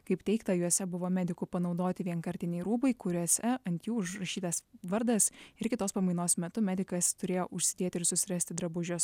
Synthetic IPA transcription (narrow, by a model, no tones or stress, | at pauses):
kɐɪpt̪ʲɛɪkt̪ɐjuɔsʲɛbʊʋoːmʲæd̪ʲɪkupɐnɒʊd̪oːt̪ʲɪʋʲiɛŋkɐɾʲt̪ʲɪnʲɛɪɾuːbɐɪkʊɾʲuɔsʲɛɐnʲt̪ʲjuːʊʒɾɐʃʲiːt̪ɐsʋɐɾd̪ɐsɪɾkʲɪt̪oːspɐmɐɪnoːsmʲɛt̪ʊmʲæːd̪ʲɪkɐst̪ʊɾʲeːjoːʔʊʃʲsʲɪd̪ʲeːt̪ʲɪɾsʊsʲɪɾɐsʲt̪ʲɪd̪ɾɐbʊʒʲos